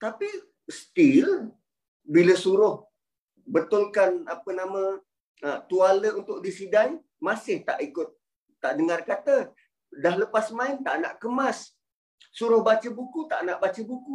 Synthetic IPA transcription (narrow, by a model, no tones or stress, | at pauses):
t̪api | st̪il | biləsuɾʊh | bət̪ʊlkanapənamə̃ | ət̪ualəunt̪ʊʔ̚disidaŋ | masɪht̪a̰ʔikʊt̪̚ː | aʔdəŋarkat̪ə | dahləpasmaɪnt̪a̰ʔna̰ʔkəmasː | uɾʊhbat͡ʃəbukut̪aʔnaʔbat͡ʃəbuku